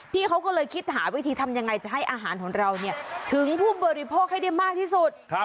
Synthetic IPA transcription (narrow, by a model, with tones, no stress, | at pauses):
pʰiː˥˩kʰa˦˥wkɔ˥˩lɤː˧jkʰi˦˥t̪̚ɦaː˩˦wi˦˥t̪ʰiː˧t̪ʰa˧mja˧ŋːa˧jt͡ɕa˨˩ɦa˥˩jʔaː˧ɦaː˩˦nkʰɔː˩˦ŋɾa˧wni˥˩ɐt̪ʰɯ˨˩˦ŋpʰuː˥˩bɔː˧ɾi˦˧˥pʰoː˥˩k̚ha˥˩jda˥˩jmaː˥˩k̚t̪ʰiː˥˩su˨˩t̪̚